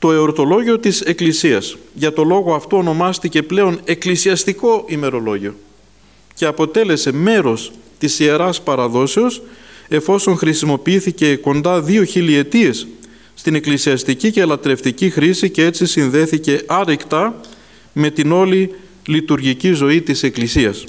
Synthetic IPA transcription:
t̪o̞e̞o̞ɾt̪o̞lo̞ʝio̞t̪ise̞klisiɐsʝɐt̪o̞lo̞ɣo̞ɐft̪oono̞mɐst̪ice̞ple̞o̞ne̞klisiɐst̪iko̞ʔime̞ɾo̞lo̞ʝio̞ | ce̞ɐpo̞t̪e̞le̞se̞me̞ɾo̞st̪isie̞ɾɐspɐɾɐðo̞seo̞se̞fo̞so̞ŋxɾisimo̞piiθice̞ko̞nd̪ɐðio̞çilie̞t̪ie̞sː | t̪ine̞klisiɐst̪icice̞lɐt̪ɾe̞ft̪icixɾisicee̞t͡sisinðe̞θice̞ʔɐɾikt̪ɐ | me̞t̪ino̞li | lit̪uɾʝicizo̞it̪ise̞klisiɐs

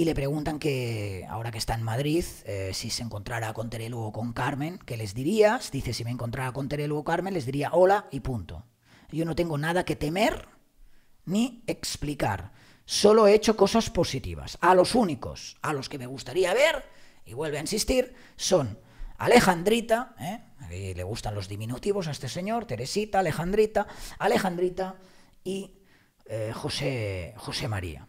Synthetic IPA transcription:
ile̞pɾe̞ɣ̞unt̪aŋke̞a̰o̞ɾakest̪aenmaðɾiθesiseŋkont̪ɾaɾako̞nt̪eɾeluoko̞ŋkaɾmẽ̞ŋke̞le̞zd̪iɾiasd̪iθesimẽŋkont̪ɾaɾako̞nt̪eɾeluokaɾme̞nle̞zðiɾiaʔolaipunt̪o̰ | jo̞no̞t̪e̞ŋɡonað̞ake̞t̪e̞me̞ɾ | nieksplika̰ɾ | so̞lo̞eet͡ʃo̞ko̞saspo̞sit̪ḭβ̞a̰salo̞suniko̞̰salo̞ske̞me̞ɣ̞ust̪aɾiaβ̞e̞ɾḭβwe̞lβeainsist̪iɾ | so̞n | a̰le̞xand̪ɾit̪aeḭleɣ̞ust̪anlo̞zðimĩnut̪iβo̞s̬aest̪e̞se̞ɲo̞ɾt̪e̞ɾesit̪aːle̞xand̪ɾit̪aale̞xand̪ɾit̪a | i | exo̞sexo̞se̞ma̰ɾḭa̰

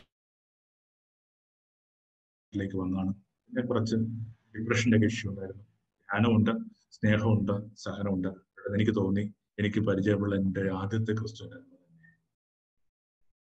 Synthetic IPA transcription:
tʈːile̞ːkʲːɨʋɐnːaːɳɨ | ɐnːekurɐt͡ɕːɨɖiprɐʂɐndekiʂjɐuɳɖaːjiɾunːu | ɡʱaːnɐmuɳɖɨ | sne̞ːɦɐmuɳɖɨsɐhɐnɐmuɳɖɨ | iɽɐme̞nikʲːɨt̪o̞ːnːi | e̞nikʲːɨpɐɾit͡ɕɐjɐpːiɭːɐendeaːd̪ʱjɐt̪ːekrɨst̪uʋɐnanɐmɐnɐnːe

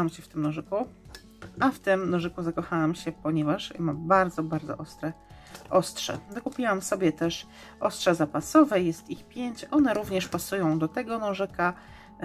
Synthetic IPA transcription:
amɕɛft̪ɘmnɔʐɘku | aft̪ɘmnɔʐɘkuzakɔxawamɕɛpɔɲɛvaʂmabaɾd̪zɔbaɾd̪zɔ̰ʔɔst̪ɾɛʔɔstʂɛ̰zakupʲiwamsɔbʲjɛt̪ɛʂ | ʔɔstʂɛzapasɔvɛjɛst̪ixpʲjeɲt͡ɕʔɔnɛɾuvɲɛʂpasujɔ̃w̃d̪ɔt̪ɛɡɔnɔ̃ʐɛka

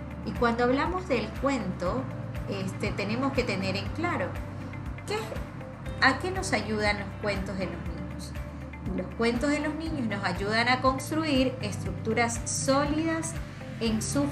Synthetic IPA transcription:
ikwand̪oaβlamo̞zðe̞lkwe̞nt̪o̞est̪e̞t̪e̞nemo̞ske̞t̪e̞ne̞ɾe̞ŋklaɾo̞ | ke | ake̞no̞saʝuð̞anlo̞skwe̞nt̪o̞zðe̞lo̞znĩɲo̞s | lo̞skwe̞nt̪o̞zðe̞lo̞znĩɲo̞sno̞saʝuðanako̞nst̪ɾuiɾest̪ɾuk̚t̪uɾasːo̞liðas | e̞nsu

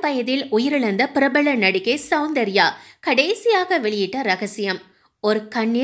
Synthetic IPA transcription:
pɐjɐðɪlʊjɪɾɪɭɐnd̪ɐpɪɾɐbɐɭɐnɐɽɪkːeːsɐʊnd̪ɐɾɪjaːkɐɽeːsɪjaːɣɐʋɛɭɪjɪʈːɐɾɐɣɐsɪjɐm | ɔɾɯkɐɳːɪ

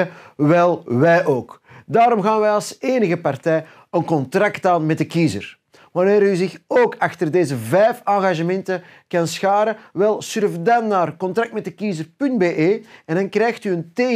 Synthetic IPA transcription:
əʋɛlˠʋɛjʔoːkdaːɾɔmɣaːnʋɛjɑlˠseːnəɣəpartɛj | ənkɔntraktaːnmɛt̚dəkiːzə̰r | ʋaneːɾyzɪxoːkaxtərdeːzəvɛjfaːɣaʒəmɛntə | kansxaːɾəʋɛlˠsʏrfdanːaːrkɔntrak̚tmɛt̚dəkiːzərpɵndbeːʔeːɛndɑnkrɛːjxtyənteː

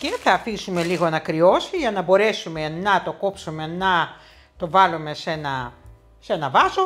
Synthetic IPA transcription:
ce̞θɐːfisume̞liɣo̞ɐnɐkɾio̞siʝɐnɐbo̞ɾe̞sume̞nɐt̪o̞ko̞psume̞nɐ | t̪o̞vɐlume̞se̞nɐ | se̞nɐvɐzo

